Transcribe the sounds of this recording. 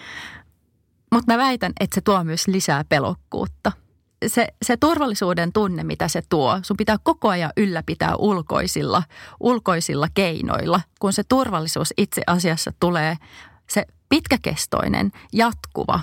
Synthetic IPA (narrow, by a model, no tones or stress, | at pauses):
mut̪mæʋæjt̪ænet̪set̪uomyøslisæːpelo̰kːṵːt̪ːɑ | seset̪urʋɑlːisuːdent̪unːemit̪æset̪uosumpit̪æːkkokoɑjɑʔylːæpit̪æ̰ːʔulko̞̰isilːɑʔulko̞isilːɑkeino̰ilːɑkunset̪urʋɑlːisuːsit̪sḛʔɑsiɑsːɑt̪uleː | se | pit̪kækḛst̪o̰inḛnjɑt̪kṵʋɑ̰